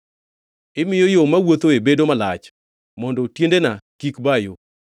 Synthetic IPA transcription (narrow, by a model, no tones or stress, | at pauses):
ɪmɪjɔjomawot̪oebedomalat͡ʃ | mɔndɔtjendenakikbajo